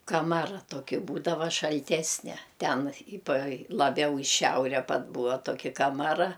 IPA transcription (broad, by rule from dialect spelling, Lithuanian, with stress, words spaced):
kɐˈmɑːrɐ ˈtoːkʲɪ ˈbuːdɐʋɐ ʃɐlʲˈtʲæːsʲnʲɛ ˈtʲɛn ɪ pɐ lˠɐˈbʲɛʊ ɪ ˈʃʲɛʊrʲɛ pɐt ˈbuːɐ ˈtoːkʲɪ kɐmɐˈrɐ